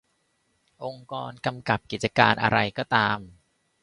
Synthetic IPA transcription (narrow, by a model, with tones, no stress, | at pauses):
ʔo˧ŋkɔː˧nka˧mka˨˩p̚ki˨˩t̪̚t͡ɕa˧kaː˧nʔa̰˧ɾa˧jkɔː˥˩t̪aː˧m